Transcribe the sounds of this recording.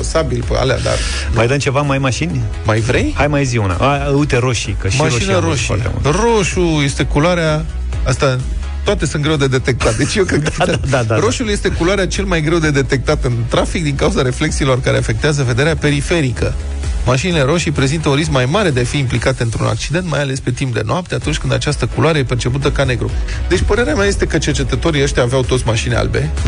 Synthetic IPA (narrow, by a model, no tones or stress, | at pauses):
sabilpa̰lea̰d̪a̰r | majd̪əmt͡ʃe̞vamajmaʃinʲ | majvɾe̞jhajmajziuna̰aəut̪eɾo̞ʃikəʃmmaiʃoineɾoʃt̪ḛṵlro̞ʃuje̞st̪e̞kuloaɾea | ast̪a | t̪oat̪e̞sɨnt̪ɡɾe̞wd̪e̞d̪e̞t̪e̞k̚t̪at̪̚d̪et͡ʃʲjewkɾed̪k̪d̪aaɾo̞ʃulje̞st̪e̞kuloaɾeat͡ʃe̞lmajɡɾe̞wd̪e̞d̪e̞t̪e̞k̚t̪at̪ɨnt̪ɾafik̚d̪iŋkauzaɾe̞fle̞k̚siːlo̞rkaɾeafe̞k̚t̪eazəve̞d̪e̞ɾeape̞ɾife̞ɾikə | maʃinile̞ɾo̞ʃipɾe̞zint̪əunriskmajmaɾe̞d̪e̞afiːmplikat̪eɨnt̪ɾuna̰k̚t͡ʃid̪ent̪̚majale̞spe̞t̪imp̚d̪e̞̰noap̚t̪e̞at̪unt͡ʃʲkɨnd̪a̰t͡ʃast̪əkulwaɾeepe̞rt͡ʃe̞p̬ut̪əkane̞ɡɾud̪e̞t͡ʃʲpəɾe̞ɾeameaje̞st̪e̞kət͡ʃe̞rt͡ʃe̞t̪ət̪o̞ɾiəʃt̪ʲjaːveawt̪ot̪sʲmaʃinea̰lbe̞̰